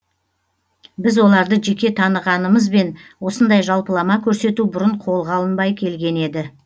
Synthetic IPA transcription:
bɪzwo̞lˠɑɾd̪əʒe̞kʲe̞t̪ʰɑnəʁɑnəməzbe̞nwo̞sənd̪ɑjʒɑlˠpəlˠɑmɑkʲʰɵɾse̞t̪ubʊɾəɴqʰo̞lˠʁɑlˠənbɑjkʲʰe̞lɡʲe̞ne̞d̪ɪ

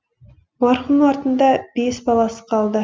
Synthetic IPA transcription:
mɑɾχunɑɾt̪ənd̪ɑb̥e̞sbɑlˠɑsə̥qʰɑlˠd̪ə

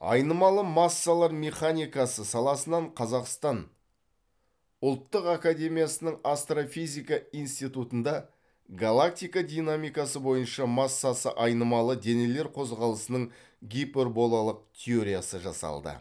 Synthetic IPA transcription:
ɑ̰jnəmɑlˠəmɑsːalˠɑɾme̞χanʲijkɑsəsɑlˠɑsənɑɴqʰɑzɑqst̪ɑn | ʊlˠt̪ːəqakad̪ʲe̞mijasənəɴast̪rofijzʲijkaijnst̪ijt̪ut̪ənd̪ɑ | ɡalˠak̚t̪ijkad̪inamijkɑsəbo̞jənʃɑmɑsːɑsə̰ʔɑjnəmɑlˠəd̪e̞ne̞le̞ɾqʰo̞zʁɑlˠəsənəɴ | ɡʲipʲerbo̞lˠalˠəq̚t̪ʲʰeo̞ɾʲijasəʒɑ̰sɑ̰lˠd̪ə̰

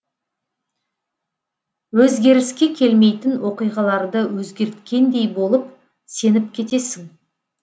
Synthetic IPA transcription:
wɵzɡʲe̞ɾɪskʲe̞kʲʰe̞lme̞jt̪ɪnwo̞qijʁɑlˠɑɾd̪əwɵzɡʲe̞ɾt̪kʲe̞nd̪e̞jbo̞lˠəp | se̞nɪp̚kʲʰe̞t̪e̞sɪŋ

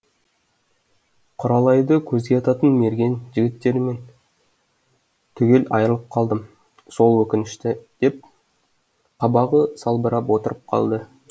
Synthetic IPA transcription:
qʰʊɾɑlˠɑjd̪əkʲʰɵzɡʲeɑt̪ɑt̪ənme̞ɾɡʲe̞nʒɪɡʲɪt̪ːe̞ɾme̞n | t̪ʰʏɡʲe̞lɑ̰jəɾəlˠəp̚qʰɑlˠd̪əm | so̞lˠwɵkʲɪnɪʃt̪ɪd̪̥e̞p̚ | qʰɑbɑʁəsɑlˠbəɾɑpwo̞t̪əɾəp̚qʰɑ̰lˠd̪ə

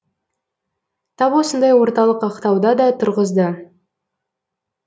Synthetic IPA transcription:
t̪ʰɑpwo̞sənd̪ɑjwo̞ɾt̪ɑlˠəqɑqt̪ɑwd̪ɑd̪ɑt̪ʰʊɾʁəzd̪ə

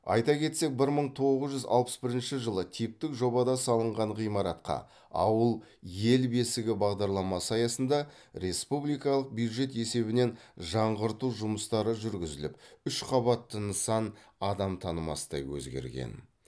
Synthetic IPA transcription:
ɑ̰jt̪ɑkʲʰe̞t̪se̞k̚bɪɾməɴt̪ʰo̞ʁəzʒʏzɑ̰lˠpə̥sbɪɾɪnʃɪʒəlˠət̪ʰijp̚t̪ɪkʒo̞bɑd̪ɑsɑlˠəɴʁɑɴʁijmɑɾɑt̪qɑ̰ | ɑ̰wəlˠje̞lbe̞sɪɡʲɪbɑʁd̪ɑɾlˠɑmɑsɑjɑsənd̪ɑ | ɾe̞spublijkɑlˠəq̚bjud̪ʒe̞t̪e̞se̞βɪne̞nʒɑɴʁəɾt̪uʒʊməst̪ɑɾəʒʏɾɡʲɪzɪlɪpʏʃqʰɑβɑt̪ːənəsɑn | ɑd̪ɑmt̪ʰɑnəmɑ̰səd̪ɑ̰jwɵ̰zɡʲe̞̰ɾɡʲe̞̰n

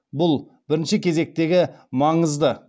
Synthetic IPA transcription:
bʊlˠ | b̥ɪɾɪnʃɪkʲʰe̞ze̞k̚t̪e̞ɡʲɪmɑɴəzd̪ə

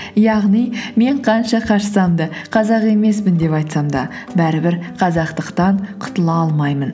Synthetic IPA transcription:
jɑʁnijme̞ɴqʰɑnʃɑqʰɑɾʃəsɑmd̪əqʰɑzɑqe̞me̞s̬pɪnd̪e̞pɑjt̪sɑmd̪ɑ | bæɾɪbɪɾqʰɑzɑqt̪əqt̪ɑɴqʰʊ̥t̪əlˠɑɑlˠmɑjmən

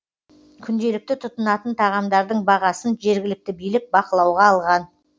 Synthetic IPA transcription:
kʲʰʏnd̪e̞lɪk̚t̪ɪt̪ʰʊt̪ənɑt̪ənt̪ʰɑʁɑmd̪ɑɾd̪əɴbɑʁɑsənʒe̞ɾɡʲɪlɪk̚t̪ɪbijlɪk̚bɑqəlˠɑwʁɑːlˠʁɑn

